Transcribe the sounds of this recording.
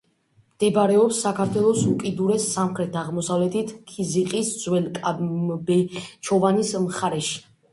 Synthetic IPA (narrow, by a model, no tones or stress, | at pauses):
md̪̥ɛbaɾɛɔpsːakʰaɾt̪ʰwɛlˠɔsukʼid̪uɾɛsːamχɾɛt̪ʰaʁmɔsavlɛt̪ʰit̪ʰkʰiziqʼisd̪z̥wɛlkʼabɛt͡ʃʰɔvanismχaɾɛʃi̥